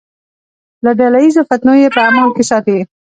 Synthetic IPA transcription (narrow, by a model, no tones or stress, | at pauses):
laɖalajizofat̪nojepəamɑnkesɑt̪e